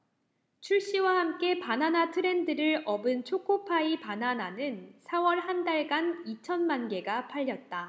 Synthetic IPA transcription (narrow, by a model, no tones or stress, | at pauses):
t͡ɕʰuɭɕ͈iwahamk͈e̞pananatʰɯɾe̞ndɯɾɯɭʌbɯnt͡ɕʰokʰopʰaipanananɯnsʰawʌɭhandaɭɡanit͡ɕʰʌnmanɡe̞ɡapʰaʎːʌt̚t͈a